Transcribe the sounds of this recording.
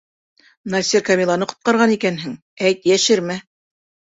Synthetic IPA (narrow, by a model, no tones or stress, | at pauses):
nasʲiɾkamʲilˠanɤqŏ̥t̪̚qɑɾʁɑnikænɦɘŋ | æjt̪jæʃɘɾmæ